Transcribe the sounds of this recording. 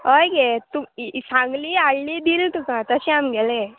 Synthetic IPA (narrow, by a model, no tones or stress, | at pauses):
ɦəjɡet̪usãŋɡliaɽlid̪iːlt̪ukãt̪əɕeamɡele